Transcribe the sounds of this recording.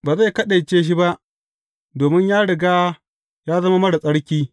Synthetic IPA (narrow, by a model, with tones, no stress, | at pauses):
baː˨za˦˨kɐ˦ɗe˨jt͡ʃeː˦ʃ̬i˦ba˦ʔ | doː˨mɪ˦ɲjaː˦ɽɪ˨ɡaː˦ | jaː˦zɐ˦ma˦mɐ˦ɽa˨sʼɐ˦ɽkʲiː˦